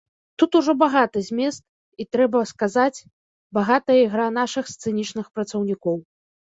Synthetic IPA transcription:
t̪ut̪uʐɔbaɣat̪ɨzʲmʲɛst̪̚ | it̪ɾɛbɐskazat͡sʲ | baɣat̪ɐjiɣɾan̪aʂɨxst̪sɛnʲit͡ʂnɨxpɾɐt̪sɐwnʲikɔw

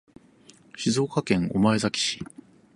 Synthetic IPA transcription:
ɕizo̞ːkakẽ̞ŋ̃o̞̰mae̞zakʲi̥ɕi̥

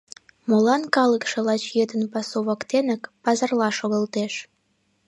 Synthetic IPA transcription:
molɑnkɑləkʃĕlɑt͡ɕjed̪ənpɑsoβokt̪enə̆kpɑzɑrlˠɑʃoɣə̆lˠt̪eʃ

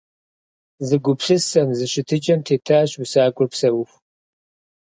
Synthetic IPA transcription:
zɨɡʷʊpɬɨsɐmzɨɕɪtʰɨt͡ʃʼɐmtʰeːtʰaːɕwʊsaːɡʷʼʊrpsɐwʊx

